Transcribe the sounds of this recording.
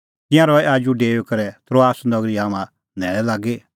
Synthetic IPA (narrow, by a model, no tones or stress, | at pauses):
t̪ɪ̃jãɾɔɛaːd͡ʒuɖeːokɐɾɛt̪ɾoaːsnɐɡɾiɦaːmã | nɛːɭɛlaːɡeː